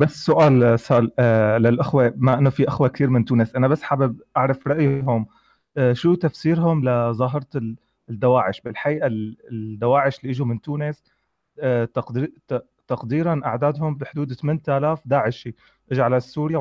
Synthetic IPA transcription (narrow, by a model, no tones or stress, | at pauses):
basːʊʔaːlsɑllalʔɪxwemaʔɪnːofiʔaxwak̚t̪iːɾmɪnt̪uːnɪsʔanabasːħabɪb̚ʔaʕɾˤɑfɾˤɑʔjɦʊm | ʃuːt̪afsiːɾɦʊmlazˤɑːɦɪɾˤ | d̪ːawaːʕɪʃbɪlħaʔiːʔald̪ːawaːʕɪʃliːʔɪʒumɪnt̪uːnɪs | t̪ɑq̪ | t̪ɑqd̪iːɾanʔaʕd̪aːd̪hʊmbiħd̪uːd̪t̪amɪːnt̪ʔaːlaːfd̪aːʕɪʃi | ʔɪʒʕalasːuːɾja